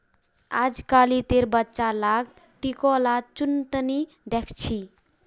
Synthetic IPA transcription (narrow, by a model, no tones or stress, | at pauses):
a̰d͡ʒkalit̪eɾbətːt͡ʃalaɡ | ʈikolat͡ʃunt̪əni | d̪ekʰt͡ʃʰi